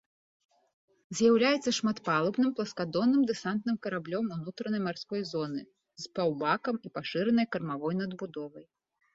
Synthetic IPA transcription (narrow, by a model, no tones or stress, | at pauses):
zʲjawlʲajɛt̪sːɐʂmat̪palˠɐbnɨmplˠɐskad̪ɔnːɨmd̪ɛsant̪nɨmkɐɾablʲɔmunut̪ɾɐnɐjmarskɔjzɔnɨ | zpawbakɐmipaʂɨɾɛnɐjkɐrmavɔjnɐd̪bud̪ɔvɐj